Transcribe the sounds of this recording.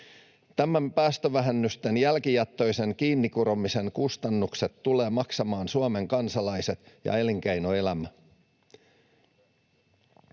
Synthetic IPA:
t̪æmæmpæːst̪øʋæɦenːyst̪enjælkijɑt̪ːo̞jse̞ŋkiːnːikuɾomise̞ŋkust̪ɑnːukset̪ːule̞ːmɑksɑmɑːnsuɑme̞ŋkɑnsɑlɑjse̞t̪jɑ̰eliŋkæjnoe̞læmæ

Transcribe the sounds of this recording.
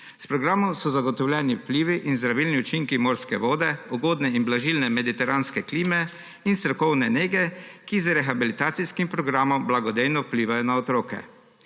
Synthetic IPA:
spɾɔɡɾaːmɔmsɔzaɡɔt̪ɔwlʲjɛniwpliːʋiʔinzd̪ɾaʋilniut͡ʃiŋkimoːɾskɛʋɔːd̪ɛɔɡoːd̪nɛinblaʒilnɛmɛd̪it̪ɛɾanskɛkliːmɛ | inst̪ɾɔkɔwnɛneːɡɛkizɾɛxabilit̪aːt̪siskimpɾɔɡɾaːmɔmblaɡɔd̪ejnɔwpliːʋajɔnaɔt̪ɾoːkɛ̰

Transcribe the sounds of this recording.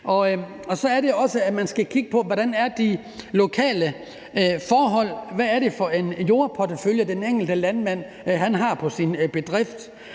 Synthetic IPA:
ʔɒ̽ | ɒ̽sɒ̽æɐɾe̝ɒ̽səæmænsɡ̥ækʰiɡ̥əpʰɒ̽ʋɒɾænæɐd̥i | lo̝kʰɛ̰ːlə | fɒːɦɒ̽l̰ʋæːɐɾe̝fɒ̽e̝njo̝ːɐpʰodəføljəd̥eneŋ̰ɡ̥l̩d̥əlænmæn̰ | ɦænɦɑ̈pʰɒ̽sinb̥e̝d̥ʁefd̥

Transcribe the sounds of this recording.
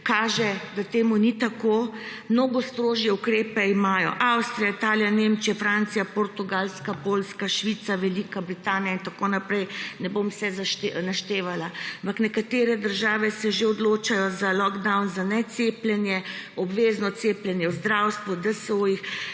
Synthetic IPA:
kaːʒɛd̪at̪eːmunit̪akomnoːɡɔst̪ɾoːʒjɛukɾeːpɛimaːjɔ̰ʔawst̪ɾijait̪aːljanemt͡ʃijafɾant̪sijapoɾt̪uɡalskapolskaʃʋit̪saʋɛlikabɾit̪aːnijaint̪akonapɾɛjnɛbomsɛzaʃt̪naʃt̪eːʋalaampaknɛkat̪eːɾɛd̪əɾʒaːʋɛsɛʒeɔd̪loːt͡ʃajɔzalɔɡd̪awnzanɛt̪seplʲɛnjɛɔbʋeznɔt̪seːplʲjɛnjɛwzd̪ɾawst̪ʋud̪əsojix

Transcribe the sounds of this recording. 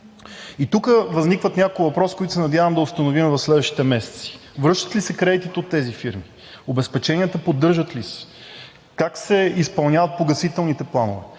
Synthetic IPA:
it̪ukəvəznikvət̪nʲakoʊivɐpɾɔskoit̪ʊsɛnɐd̪ʲjavəmd̪ɐost̪ɐnovimɛvɐfslɛd̪vəʃt̪it̪ɛmɛsɛ̥t̪si̥ | vɾɤʃt̪ə̥t̪lisɛkɾɛd̪it̪it̪ot̪ːɛzifiɾmi | obɛspɛt͡ʃɛnʲiət̪əpod̪ːɤɾʒət̪lisɛ̥ | kaksɛispɐlˠnʲavɐt̪̚poɡɐsit̪ɛlˠnit̪ɛplˠanʊ̰vɛ̰

